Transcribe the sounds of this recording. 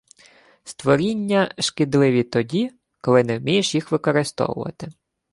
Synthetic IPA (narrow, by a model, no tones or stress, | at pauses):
st̪ʋɔɾʲinʲːɐʃkɪd̪lˠɪʋʲit̪ɔdʲi | kɔlˠɪnɛwmʲijeʃjixʋɪkɔɾɪst̪ɔ̰wʊ̰ʋɐ̰t̪ɪ